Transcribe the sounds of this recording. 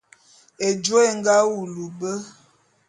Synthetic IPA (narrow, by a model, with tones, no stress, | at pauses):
e˨d͡ʒo˦e˦˨ŋ˦ɡa˦u˨lu˨bə˦